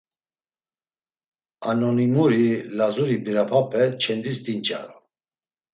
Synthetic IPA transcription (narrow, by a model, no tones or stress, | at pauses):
anɔnimuɾilazuɾibiɾapʰapʰɛt͡ʃʰɛnd̪isd̪int͡ʃʼa̰ɾɔ